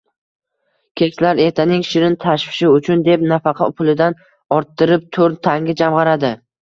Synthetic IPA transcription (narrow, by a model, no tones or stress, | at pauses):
kʲʰet͡ʃlaɾe̞ɾt̪ʰanɪŋʃɪɾɪnt̪ʰaʃfɪ̥ʃɪʊt͡ʃʰʊnd̪e̞pnafɑqʰɑ̰pʰʊlˠɪd̪an | ɒɾt̪ʰːɪɾɪp̚t̪ʰoɾnt̪ʰaŋʲɪd͡ʒamʁɑɾad̪ɪ